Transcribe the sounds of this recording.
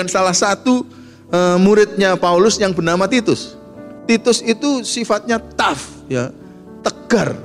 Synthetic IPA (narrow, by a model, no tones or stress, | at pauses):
ansalahsat̪u | əmuɾɪt̪̚ɲapaulʊsjaŋbənamat̪it̪ʊs | t̪it̪ʊsit̪usifat̪̚ɲat̪af | ja | t̪əɡ̥ar